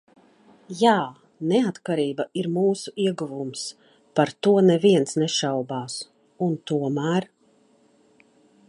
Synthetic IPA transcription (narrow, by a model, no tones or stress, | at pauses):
jaː | nɛat̪kaɾiːbaʔiɾmuːsuiɛɡuvums | paɾt̪uɔnɛviɛnsnɛʃawbaːs | unt̪uɔmæːɾ